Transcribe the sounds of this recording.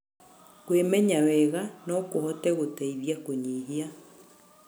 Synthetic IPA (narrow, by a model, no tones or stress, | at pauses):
kwemɛɲawɛɣanɔkohɔtɛɣotaiβjakoɲiɦia